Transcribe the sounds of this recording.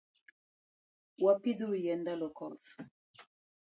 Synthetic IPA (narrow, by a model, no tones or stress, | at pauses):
wapiduɾijɛndalɔkɔf